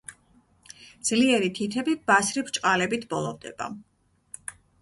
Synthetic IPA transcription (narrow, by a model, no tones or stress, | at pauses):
d̪z̥liɛɾit̪ʰit̪ʰɛbib̥asɾibt͡ʃʼqʼalɛbit̪ʰbɔlˠɔvd̪ɛ̰ba̰